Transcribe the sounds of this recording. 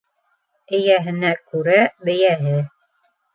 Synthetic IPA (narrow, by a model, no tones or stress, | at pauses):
ɘ̆jæɦɘ̆nækʉɾæbɘ̆jæɦɘ